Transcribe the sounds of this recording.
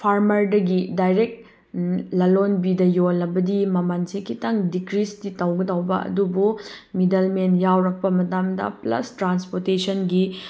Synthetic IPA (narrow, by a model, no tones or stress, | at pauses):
pʰaɾmɐɾdɐɡidajɾek̚t̚ | lɐlonbidɐjolːɐbɐdimɐmansekʰitɐŋdikɾistitɐwɡɐdɐwbɐ̰ɐ̰dubumidɐlmentjawɾɐk̚pɐmɐtamdɐ̰plɐ̰stɾanspoɾtesɐnɡi